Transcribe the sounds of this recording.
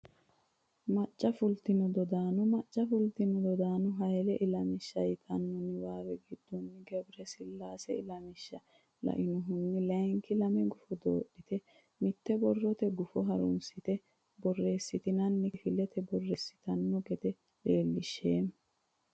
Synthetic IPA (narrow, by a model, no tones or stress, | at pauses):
mɐt͡ʃʼːɐfʊlt̪ɪnʊd̪ɔd̪aːnʊmɐt͡ʃʼːɐfʊlt̪ɪnʊd̪ɔd̪aːnʊɦɐjlɛʔɪlɐmɪʃːɐjt̪ʰɐnːɔnɪwaːwɛɡɪd̪̥ːɔnːɪɡɛbɪɾɛsɪlːaːsɛɪlɐmɪʃːɐ | lɐ̰ʔɪnɔɦʊnːɪlɛŋkɪlɐmɛɡʊfɔd̪oːɗːɪt̪ɛ | mɪt̪ːɛbɔrːɔt̪ɛɡʊfɔɦɐɾʊ̰nsɪt̪ɛ | bɔrːe̞ːsːɪt̪ɪnɐnːɪfɪlɛt̪ʰɛbɔrːesːɪ̥t̪ɐnːɔɡɛt̪ɛ | leːlːɪʃːeːn